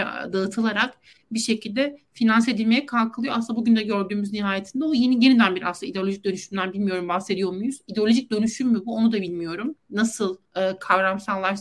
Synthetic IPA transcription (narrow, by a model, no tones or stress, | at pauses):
d̪aɯt̪ʰɯlˠaɾak | biʃe̞cʰilʲd̪ɛfinanse̞d̪ilʲmejɛkʰalˠkʰɯlˠɯjoasɯlːabuɟynd̪ɛɟø̞ɾd̪yːmyzniɦaːje̞t̪ʰind̪ɛojenje̞nid̪ænbiɾa̰sɯndaid̪eo̞lʲoʒic̚d̪ø̞nyʃymd̪ænbilʲmijo̞ɾumbaxse̞d̪ijo̞mujuzid̪eo̞lʲo̞ʒic̚d̪ø̞nyʃymːybuo̞nud̪abilʲmijo̞ɾumnasɯlˠ | ɯːkʰavɾamsanlˠaɾ